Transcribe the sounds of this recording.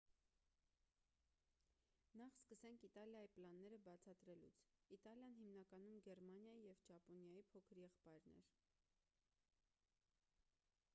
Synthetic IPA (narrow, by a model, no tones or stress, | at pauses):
nɑχskəsɛŋkʰit̪ɑljɑjiplɑnːɛɾəbɑt͡sʰɑt̪ɾɛlṵt͡sʰit̪ɑljɑn̪himnɑkɑnumɡɛɾmɑnjɑjijɛvt͡ʃɑpɔnjɑjipʰɔkʰəɾjɛχpɑjɾnɛ̰ɾ